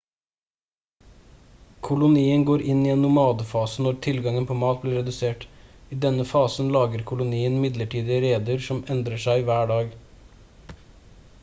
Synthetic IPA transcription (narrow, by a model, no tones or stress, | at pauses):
kʰʊlʊniːənɡoːɾʔɪniːɛnːʊmɑːd̪əfɑːsənɔɾt̪ʰɪlɡɑŋənpʰoːmɑːt̪̚bliːɾɛd̪ʉseːʈiːd̪ɛnəfɑːsən̩lɑːɡəɾkʰʊlʊniːənmɪd̪ləʈʰiːd̪ɪəɾeːd̪əɾsɔmɛnd̪ɾəʂæɪʋæːɖɑːɡ